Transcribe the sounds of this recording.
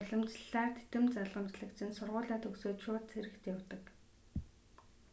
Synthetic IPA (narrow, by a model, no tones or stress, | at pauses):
ɮɞ̆mt͡ɕɮaːrt̪ʰe̥t̪ɘ̆mt͡saɮʁə̆mt͡ɕɮə̆kt͡ɕʰɪ̆nsʊrʁʊːɮaːt̪ʰɵksoːt̪ʃʊːt̪t͡sʰeɾɘ̆kt̪jawt̪ə̆k